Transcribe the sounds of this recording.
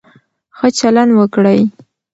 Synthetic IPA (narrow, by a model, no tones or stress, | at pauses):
xət͡ʃaland̪wəkɽəj